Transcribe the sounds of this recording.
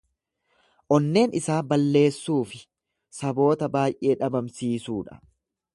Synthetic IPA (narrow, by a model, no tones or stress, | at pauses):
ʔɔnːe̞ːnɪsaːbɐlːe̞ːsːuːfɪ | sɐbo̞ːt̪ɐbaːjʔe̞ːᶑɐbɐmsiːsuːᶑɐ̥̰